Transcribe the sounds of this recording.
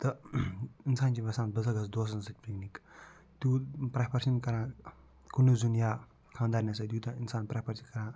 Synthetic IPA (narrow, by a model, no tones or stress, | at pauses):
t̪ɐ | insaːnt͡ʃiʋɐsaːn̚bɐzɐɡɐs̬d̪oːs̬ɐnsɐtʲpiknik | t̪juːpɾapɐɾʃɐnkɐɾãː | kunuzunjaː | kʰaːnd̪aːɾnʲɐs̬ɐd̪juːt̪ɐinsaːnpɾapʰɐɾsikɐɾãː